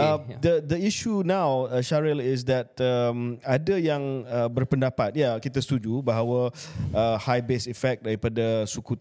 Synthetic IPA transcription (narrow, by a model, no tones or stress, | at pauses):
d̪ədəiʃunãwəʃaɾɛlɪs̬dɛt̪̚əmadajaŋəbərpəndapat̪̚jakit̪ast̪ud͡ʒubaɦawəəhajbesifɛk̚daɾipadasuku